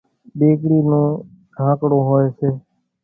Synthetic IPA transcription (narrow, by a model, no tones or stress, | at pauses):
ɓeːkɽiːnõː | ɖʱãːkɽõːɦoːeːseː